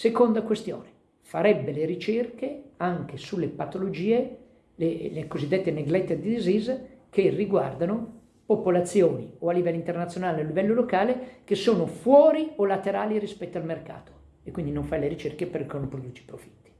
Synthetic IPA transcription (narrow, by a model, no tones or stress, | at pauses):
sekond̪akwest̪jo̰ːne | faɾɛbːeleɾit͡ʃerkeaŋk̟esulːepat̪olod͡ʒiːe | lelekozid̪ːet̪ːeneɡlɛt̪ːed̪id̪izizkerːiɡwa̰rd̪ano | popolat̪sːjoːnioalːivɛlːint̪ernat̪sjonaːlealːivɛlːolokaːlekesːoːnofwɔːɾiolat̪eɾaːliɾispɛt̪ːoalmerka̰ːt̪o̥ | ekːwind̪inoɱfajleɾit͡ʃerkeperkonopɾod̪ut͡ʃ̪i̥pɾofi̥t̪ːi̥